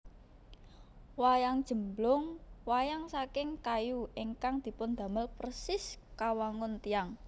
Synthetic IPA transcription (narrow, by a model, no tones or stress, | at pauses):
wajaŋd̥ʒ̥ə̤mblʊŋwajaŋsakɪŋkajuʔiŋkaŋd̪̥i̤pʊnd̪̥ä̤məlprəsɪskawaŋʊnt̪ijaŋ